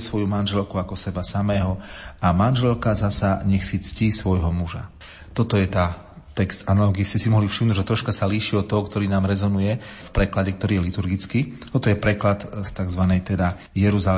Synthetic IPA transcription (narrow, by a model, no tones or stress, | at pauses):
sʋɔjumanʒɛlkuakɔsɛbasamɛːɦɔamanʒɛlkazasaɲɛxsit͡sciːsʋɔjɦɔmuʒa̰ | t̪ɔt̪ɔjɛt̪aː | t̪ɛkst̪analɔɡiiscɛsimɔɦlifʃimnuːɟʒɛt̪ɾɔʃkasaliːʃiɔt̪ːɔɦɔkt̪ɔɾiːnaːmɾɛzɔnujɛfpɾɛklaɟɛkt̪ɔɾiːjɛlit̪uɾɡit͡skiːt̪ɔt̪ɔjɛpɾɛklat̪st̪aɡzʋanɛjt̪ɛd̪a | jɛɾuzal